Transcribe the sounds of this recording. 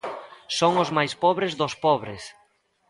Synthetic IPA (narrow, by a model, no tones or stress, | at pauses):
soŋʊzmajspɔβɾezðʊspɔβɾɪs